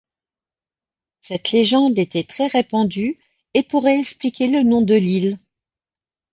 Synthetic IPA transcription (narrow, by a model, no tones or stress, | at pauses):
sɛt̪leʒɑ̃d̪et̪ɛt̪χɛʁepɑ̃d̪y | epuʁɛɛksplikʲelənɔ̃d̪əlil